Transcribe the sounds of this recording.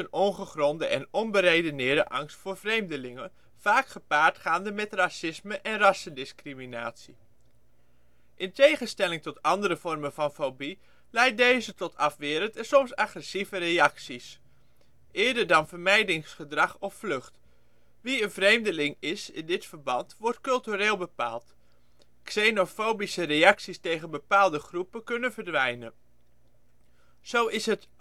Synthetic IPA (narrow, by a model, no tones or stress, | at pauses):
ənɔŋχəχrɔndəʔɛnɔnbəɾejdənɪːɹdəʔɑ̰ŋstfʊːɹv̥rejmdəlɪŋən | v̥aːkχəpaːɹtχaːndəmɛtrasɪsməʔɛnrɑsəndɪskrimina̰ːtsi | ʔɪntejχəstɛlɪŋtɔtɑndəɾəv̥ɔrmənvɑnfobi | lɛjt̚dejzətɔtʰɑfʋɪːɾəntəsɔmsaχrɛsivərejɑksis | ʔɪːɹdəɹdɑnvəɹmɛjdɪŋsχədrɑχɔfflɵχt | ʋiənvrejmdəlɪŋɪsɪ̰ndɪtfəɹbɑntʋɔɹtkɵlˠtyrɪːlˠbəpa̰ːlˠt | ksenofowbisərejɑksistejχənbəpaːlˠdəχrupəkɵnəvəɹdʋɛjnən | z̥owɪsɦət